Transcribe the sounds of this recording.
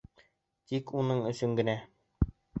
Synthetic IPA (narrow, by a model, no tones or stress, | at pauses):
t̪ikunɤɴɵ̆sɵŋɡɘ̆næ